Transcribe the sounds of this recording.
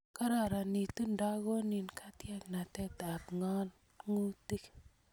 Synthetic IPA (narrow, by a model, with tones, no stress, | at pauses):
ka˦ɾa˨ɾa˨ni˨tu˦nda˦ɣo˦ni˨nkʰa˦tja˦kna˨tɛ˦ta˨pŋa˦n | ŋu˦ti˦k